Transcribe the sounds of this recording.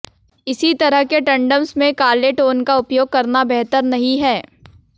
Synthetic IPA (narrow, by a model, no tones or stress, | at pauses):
ɪsit̪ɐɾəɦkeʈɐ̃ɳɖəmsmẽkaːleʈoːnkaʊpjoːɡ̚kɐɾnabɛɦt̪əɾnɐɦĩɦɛː